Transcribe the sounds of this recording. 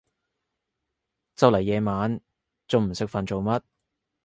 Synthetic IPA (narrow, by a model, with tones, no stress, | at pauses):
t͡sɐ˧wlɐ˨˩jːɛː˨˧maː˨˥n | t͡so˨˧wm̩˨˩sɪ˥k̚fɐ˨nt͡so˨wmɐ˥t̚